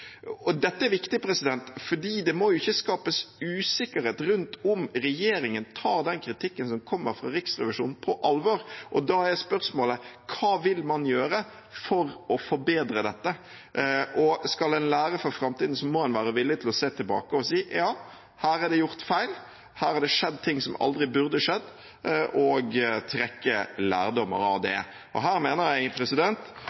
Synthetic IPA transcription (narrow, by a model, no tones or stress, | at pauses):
ɔd̪ɛt̪ːəæɾʋɪkt̪ɪpʰɾɛsɪd̪ɛnt̪fɔɖiːd̪ɛmɔjʊɪçːəskɑːpəsʉːsɪkːəɾheːt̪ɾʉnt̪ʊmɾɛjeːɾɪŋənt̪ʰɑːd̪ɛnkʰɾɪt̪ʰɪkːənsɔmkʰɔmːəɾfɾɑ̰ɾɪksɾɛ̰ʋɪʂṵːnpʰɔʔɑlʋɔːɾʔɔd̪ɑːhæɾjæɪspœɾsmoːləkʰɑːʋɪlmɑnjøːɾə | fɔɾɔfɔɾbeːd̪ɾəd̪ɛt̪ːə | ʔɔskɑlɛɪnlæːɾəfɔɾfɾɑmt̪iːd̪n̩sɔmːɔhɛnʋæːɾəʋɪlːɪt̪ʰɪlɔseːt̪ʰɪlbɑ̰ːkəɔsiːjɑː | hæːɾɑɾd̪ɛjʊɾt̪fæɪl | hæːɾɑɾd̪ɛʂɛd̪t̪ʰɪŋːsɔmʔɑ̰ld̪ɾɪbʉɾd̪əʂɛd̪ː | ʔɔɡt̪ʰɾɛkːəlæ̰ːɾd̪ɔmːə̰ɾɑʋd̪ɛ̰ | ʔɔ̰ɦæːɾmeːnəɾjæɪpʰɾɛsɪd̪ɛnt̪